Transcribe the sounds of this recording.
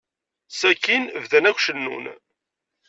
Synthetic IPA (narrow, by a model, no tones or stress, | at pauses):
sækːinvðænækʷʃənːṵn